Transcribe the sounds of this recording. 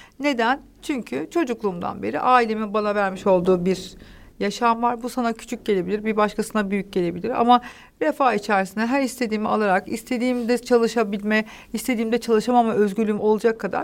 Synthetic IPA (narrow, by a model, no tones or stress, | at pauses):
ne̞d̪æn | t͡ʃʰyɲcʰyt͡ʃʰo̞d͡ʒuklˠuːmd̪a̰nbe̞ɾiʔaːilʲe̞minbanavæɾmiʃo̞lˠd̪uːbiɾjaʃamvaɾbusanacʰy̥t͡ʃʰyc̚ɟe̞lʲe̞bilʲiɾbibaʃkʰasɯnd̪abyjyc̚ɟe̞lʲe̞bilʲiɾa̰ma | ɾefaːit͡ʃʰæɾsinɛɦæɾist̪ʰe̞d̪iːmia̰lˠaɾakist̪ʰe̞d̪iːmd̪ɛt͡ʃʰalˠɯʃabilʲmɛ | ist̪ʰe̞d̪iːmd̪ɛt͡ʃʰalˠɯʃamamaʔøzɟyɾlʲymo̞lˠud͡ʒakʰːad̪a̰ɾ